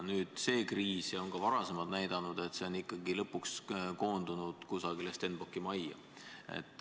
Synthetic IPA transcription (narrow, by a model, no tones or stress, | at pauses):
nyːd̪̥se̞ːkriːsjɑo̞ŋkɑvɑɾɑse̞mɑlt̪næjd̪̥ɑnud̪̥e̞t̪se̞o̞nːikːˑɑɡilɤpːˑuksko̞ːnd̪̥unud̪̥kusɑɡ̥ilest̪enb̥okːˑimɑjɑ̰ | e̞̰t̪ːˑ